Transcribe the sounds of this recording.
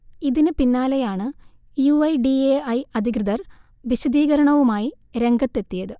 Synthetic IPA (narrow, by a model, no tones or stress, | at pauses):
iðinɨpinːaːlejaːɳɨ | juɐjɖieɐjɐd̪ʱiɡɾɨðɐr | ʋiɕɐd̪iːɣɐɾɐɳɐʋumaːji | ɾe̞ŋɡɐt̪ːe̞t̪ːijɐðɨ